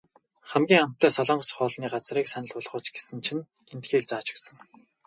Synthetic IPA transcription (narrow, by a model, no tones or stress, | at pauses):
χæmɡʲiːŋam̥t̪ːœːsɔɮɔːŋsχʊːɮniːɢat͡sriːksænə̆ɮʊɮʁʊːt͡ɕɡe̥sɘ̆nt͡ɕʰĭn | ent̪ɡiːkt͡saːt͡ɕɪ̥̆ksə̆ŋ